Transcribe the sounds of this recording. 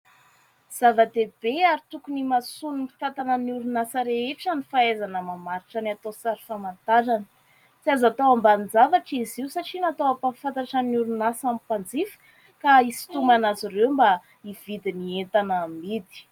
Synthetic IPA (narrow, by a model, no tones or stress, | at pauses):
z̥avad̪eb̥eaɾit̪ukunimasunumi̥t̪at̪anənuɾunasəɾeeʈ͡ʂənifaezanəmamaɾiʈ͡ʂanat̪osaɾi̥famant̪aɾanə̥ | siazat̪owambanid͡zavaʈ͡ʂiziusaʈ͡ʂinat̪owapafant̪aʈ͡ʂanuɾunasamipand͡zifə̥ | kaisi̥t̪umanazirewmba | iv̥id̪inient̪anamid̪i̥